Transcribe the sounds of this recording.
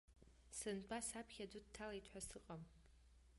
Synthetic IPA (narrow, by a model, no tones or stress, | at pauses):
sɨnbasapʰχʲadʷʊd̚tʰalaitʰʼħʷasɨqʼam